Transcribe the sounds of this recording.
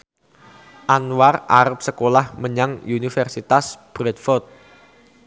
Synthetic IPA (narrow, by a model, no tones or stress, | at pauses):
ʔanwara̰ɾəp̚səkolahməɲaŋunifɛrsit̪asb̥ɾɛt̪̚fɔt̪̚